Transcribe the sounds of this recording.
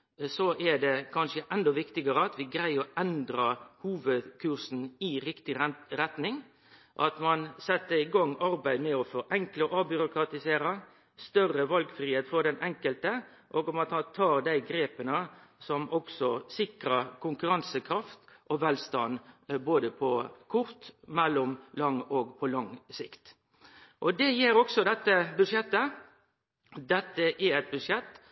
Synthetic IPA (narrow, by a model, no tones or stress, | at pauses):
sɔʔɛɖ̪ɛkʰɑnʂəʔɛnd̪ɔʋɪkt̪ɪɡəɾəɑt̪ʋɪɡɾæɪɔʔɛnd̪ɾəhuːʋəd̪kʰʉɾsn̩ɪɾɪkt̪ɪɾɛt̪nɪŋ | ʔɑ̰t̪mɑnsɛt̪ːəɾɪɡɑŋːɑɾbæɪd̪mɛɔfɔʔɛŋkləʔɑbʏɾʊkɾɑt̪ɪseːɾɑ | st̪œrəʋɑlɡfɾiːheːt̪fɔɾɖ̪ɛnʔɛŋkəlt̪ə | ʔoːɡʊmɑt̪hɑnt̪ʰɑːɾd̪æɪɡɾeːpənəsɔmɔksɔsɪkɾəkʰʊŋkʉɾɑnsəkʰɾɑft̪ʔɔʋɛlst̪ɑnboːd̪əpʰɔkʰʊɾt̪mɛlːɔmlɑŋːoːɡpʰɔlɑŋsɪkt̪ | ʔɔd̪ɛjeːɾɔksɔd̪ɛt̪ːəbʉd̪ʂjɛt̪ːə | d̪ɛt̪ːəʔæɛt̪̚bʉʂjɛt̪ː